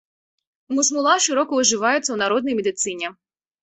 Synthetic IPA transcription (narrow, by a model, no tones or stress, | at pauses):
mʊsmʊlˠɑʃɪɾɔkɔʊʒɪʋɑjɪt͡sʲːɐwnɐɾɔd̪nɔjmed̪ɪt̪sɪnʲɛ